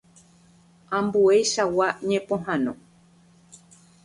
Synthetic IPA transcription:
ãmbuejʃawaɲẽpõɦãnõ̰

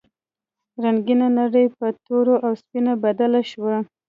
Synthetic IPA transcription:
ɾaŋɡinanaɽəjpət̪oɾoʔawspinabad̪alaʃwa

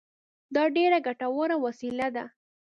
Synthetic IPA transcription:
d̪ɑɖeɾaɡaʈawaɾawasilad̪a̰

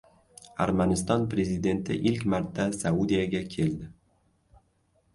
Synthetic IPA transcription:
a̰ɾmanɪst̪ɒnpɾe̞zid̪e̞nt̪ʰɪ̰ʔɪlkʲmaɾt̪ʰːasaud̪ijaɡʲakʲʰe̞ld̪ɪ

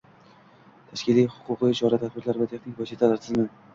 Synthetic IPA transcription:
t̪ʰaʃkʲɪlijhʊ̥qʰʊqɨɪt͡ʃʰɒɾat̪ʰat̪bɪɾlaɾvat̪ʰeχnɪŋʲvɒsit̪ʰalaɾt̪ʰɪzmɪ

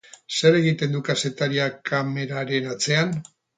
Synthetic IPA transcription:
se̞ɾe̞ɣit̪e̞nd̪ukase̞t̪aɾiakʰame̞ɾaɾe̞nat͡se̞an

